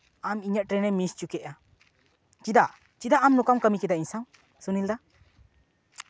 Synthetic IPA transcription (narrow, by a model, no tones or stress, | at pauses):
amiɲaʔ̚ʈɾenemist͡ʃukɛʔa | t͡ʃid̪aʔ | t͡ʃid̪aʔːmnukamkamikɛd̪aiɲsaw | sunild̪a